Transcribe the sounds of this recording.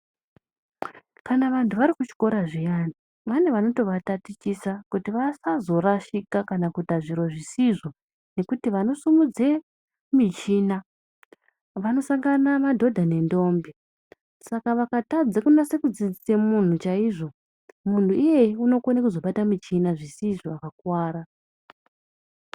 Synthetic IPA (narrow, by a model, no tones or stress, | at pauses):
kanaʋantʰuʋaɾikut͡ʃi̥ko̞ɾaʐijani | ʋane̞ʋano̞to̞ʋatatit͡ʃisakutiʋasazo̞raʃikakanakutaʐiɾo̞ʐisiʐo̞ | ne̞kutiʋano̞sumud͡ze | mit͡ʃiːna | ʋano̞saŋɡanamadʱo̞dʱane̞ndo̞ːmbi | sakaʋakatad͡zakunase̞kud͡zid͡zisemun̤ut͡ʃaiʐo̞ | mun̤tuije̞uno̞konakuzo̞ɓatamit͡ʃinaʐisiʐoakakwaːɾa